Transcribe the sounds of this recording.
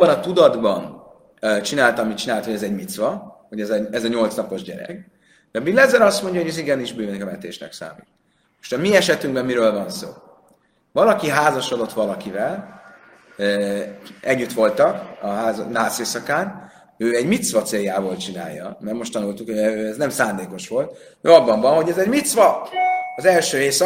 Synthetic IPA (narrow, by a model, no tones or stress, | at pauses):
bɒnɒt̪ud̪ɒd̪bɒn | t͡ʃinaːlt̪ɒmit͡ʃinaːlt̪hoɟɛzɛɟmit̪sʋɒho̞ɟɛzɛɛzɒɲo̞lt̪snɒpo̞ʒɟɛ̰ɾɛ̰ɡ | d̪ɛbilːɛzɛɾɒst̪mo̞ɲɟjɒoɟøziɡɛniʒbyːvɛnikɒmɛt̪ḛːʃnɛ̰ksa̰ːmḭːt̪ | o̥ʃt̪ɛmiɛʃɛt̪yŋbɛmmiɾøːlvɒnso̰ː | vɒlɒkiɦaːzɒʃod̪o̞t̪ʋɒlɒkivɛl | ɛɟːyt̪ʋo̞lt̪ɒkɒɦaːznaːseːsɒkaːn | øːɛɟmit̪svɒt̪seːjaːboːlt͡ʃina̰ːjːɒmɛrmo̞ʃt̪ɒnult̪ukhoøɛznɛmsaːnd̪eːko̞ʃʋo̞lt̪ | ɛɒbːɒɱvɒnɦo̞ɟɛzɛɟmit̪sʋɒɒzɛlʃøːeːsɒ